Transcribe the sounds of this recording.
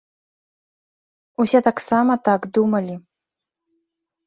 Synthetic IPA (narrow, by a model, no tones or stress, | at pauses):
usʲɛt̪aksamɐt̪aɡd̪umɐlʲi